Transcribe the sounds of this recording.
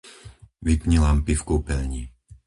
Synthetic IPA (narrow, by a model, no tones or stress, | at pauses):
ʋipɲilampifkuːpɛʎɲi